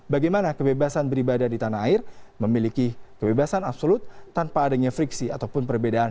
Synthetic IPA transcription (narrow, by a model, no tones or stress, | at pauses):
baɡajmanakəbebasanbəɾibadadit̪anaaɪrməmilikikəbebasanapsolʊt̪ːanpaːdaɲafɾiksiat̪awpʊnpərbedaːn